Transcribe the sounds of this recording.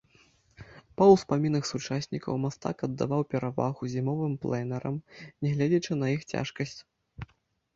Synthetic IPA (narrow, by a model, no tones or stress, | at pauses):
pɐwspamʲinɨxsut͡ʂasʲnʲikɐ̰wmast̪a̰kɐd̪ːa̰vawpʲɛɾava̰ɣuzʲimɔvɨmplˠɛnɛɾɐmnʲɛɣlʲɛd͡zʲɐt͡ʂɨnɐjixt͡sʲa̰ʂkɐsʲt͡sʲ